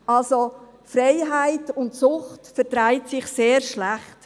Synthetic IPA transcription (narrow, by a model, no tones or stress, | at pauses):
ɑlso | frɛɪɦaɪtʊntsʊχtfɛɾtɾaɪtsɪχseːɾʃlaχt